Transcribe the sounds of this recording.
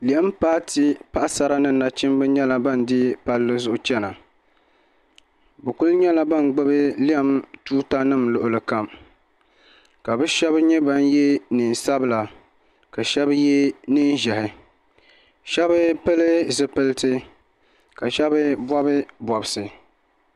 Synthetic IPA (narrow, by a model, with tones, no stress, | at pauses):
li˨a˦mpaː˦ti˦pa˦ʔa˦sa˦ɾa˦nɨ˦˨na˨t͡ʃɪ˦mbɨ˦ɲɛ˦la˨ba˦˨ndɪ˦pa˦lːɨ˦zʊ˦ʔʊ˦t͡ʃɛ˦na˨ | bɨ˨ku˦lɲɛ˦la˨ba˦˨nɡ͡bɨ˦bɨ˦li˦a˦mtuː˦ta˦nɨ˦˨mlʊ˨ʔʊ˨lɨ˨ka˨m | ka˨bɨ˦ʃɛ˦bɲɛ˦ba˦njɛ˦ni˨n˨sa˦bɨ˦la˨ | ka˨ʃɛ˦bjɛ˦ni˦n˦ʒɛ˨hɪ˨ | ʃɛ˦bɨ˦pɨ˦lɨ˦zɨ˨pɨ˦ltɨ˦ | ka˨ʃɛ˦bɨ˦bwɔ˦bɨ˦bɔ˨bɨ˨sɨ˨